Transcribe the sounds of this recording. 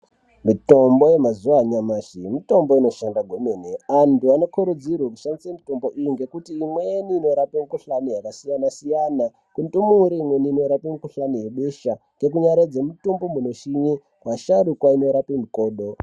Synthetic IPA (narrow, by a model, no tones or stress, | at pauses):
mito̞mbo̞je̞mazuʋaɲamaːʃimito̞mbo̞ino̞ʃandaɡʱwomeneantuano̞kuɾud͡zirwaok̬uʃandisemito̞mbo̞ʔijiŋɡe̞kutiːmwejeniːno̞ɾapemikuɬanijakasijanasijana | kuntumuːɾiimweniːno̞ɾapimukuɬanije̞ɓeʃaŋɡe̞k̬uɲaɾed͡zemutumbomuno̞ʃiɲi | kwaʃaɗukwaino̞ɾapimuko̞ːɗo̞